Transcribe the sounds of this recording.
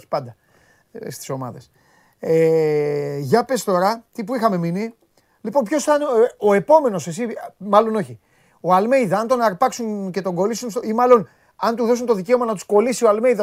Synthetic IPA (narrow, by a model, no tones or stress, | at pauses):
i̥pɐnd̪ɐ | st̪i̥so̞mɐ̰ðes | e | ʝɐpe̞st̪o̞ɾɐt̪ipuixɐme̞mini | lipo̞npço̞sθɐneo̞e̞po̞me̞no̞se̞simɐlo̞no̞çi | o̞ɐlme̞jðɐɐnt̪o̞nɐɾpɐksunce̞t̪o̞ŋɡo̞lisunsimɐlo̞n | ɐnt̪uðo̞sunt̪o̞ðice̞o̞mɐnɐt̪usko̞lisioɐlme̞iðɐ